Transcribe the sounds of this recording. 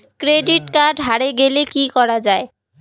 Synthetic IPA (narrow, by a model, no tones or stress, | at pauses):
kɾeɖiʈkaɖɦaɾeɡelekikɔɾad͡ʑae